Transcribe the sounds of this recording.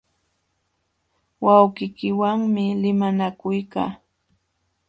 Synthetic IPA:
wawɢɪkɪwaŋmɪlɪmanakʊjka̰ː

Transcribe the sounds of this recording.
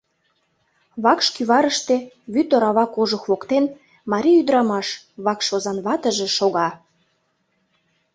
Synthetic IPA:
βɑkʃkyβɑɾəʃt̪e | βyt̪oɾɑβɑkoʒŏxβokt̪en | mɑɾʲiyd̪əɾɑmɑʃ | βɑkʃozɑnβɑt̪ə̆ʒĕʃoɣɑ

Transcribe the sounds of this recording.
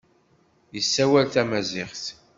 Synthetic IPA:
jəsːæwælθæmæzɪχθ

